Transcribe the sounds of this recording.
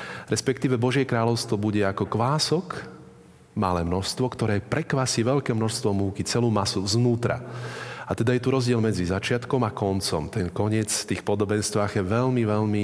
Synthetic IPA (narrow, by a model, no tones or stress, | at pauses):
ɾɛspɛkt̪iːʋɛbɔʒɪɛkɾaːlɔʊst̪ʋɔbuɟɛakɔkʋaːsɔk | malɛːmnɔʃst̪ʋɔkt̪ɔɾɛːpɾɛkʋaːsiːʋɛʎkɛːmnɔʃst̪ʋɔmuːkit͡sɛluːmasuznuːt̪ɾa̰at̪ɛd̪ajɛt̪uɾɔzɟɪɛlmɛd͡zizat͡ʃɪat̪kɔmakɔnt͡sɔ̰mt̪ɛnkɔɲɪɛt͡sft̪iːxpɔd̪ɔbɛnst̪ʋaːɣjɛʋɛʎmiʋɛʎmi